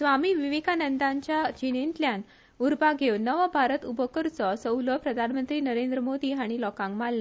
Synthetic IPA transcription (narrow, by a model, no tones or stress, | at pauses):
sʋamiːʋiʋikanənd̪aɲt͡ɕjad͡ʑinint̪ljan | uɾbaɡʱewnəʋabʱaɾət̪ubʱəkəɾt͡sɔsəwləpɾəd̪ʱanmənt̪ɾiːnəɾend̪ɾəmod̪iːɦaɽ̃ilɔkãŋkmalːa